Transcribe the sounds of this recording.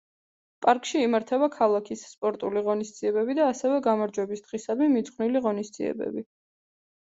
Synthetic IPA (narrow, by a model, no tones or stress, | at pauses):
pʼaɾkʼʃiːmaɾt̪ʰɛbakʰalˠakʰisːpʼɔɾt̪ʼuliʁɔnisd̪z̥iɛbɛbid̪aːsɛvɛɡamaɾd͡ʒwɛbisd̪̥ʁisad̪mɛmit̪z̥ʼχwvniliʁɔnisd̪ziɛ̰bɛ̰bi